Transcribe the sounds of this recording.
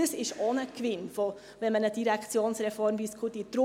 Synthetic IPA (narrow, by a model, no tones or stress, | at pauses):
əsɪʃonəkʋɪnfo | ʋɛnmənəd̥iɾɛkʰt͡sjoːnsɾɛfɔrmbiskχut̪it̪ɾʊ